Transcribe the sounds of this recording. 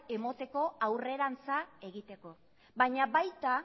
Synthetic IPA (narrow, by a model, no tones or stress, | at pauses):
e̞mo̞t̪e̞ko̞awre̞ɾant͡sae̞ɣit̪e̞ko̞ | bajɲabajt̪a